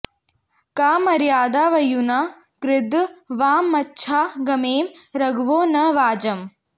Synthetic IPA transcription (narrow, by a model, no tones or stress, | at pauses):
kaːmɐɾjaːd̪aːʋɐjuna | kɾɪd̪ʋaːmːɐtːʃʰaːɡɐmeːmɾɐɡʋoːnɐʋaːd͡ʒɐm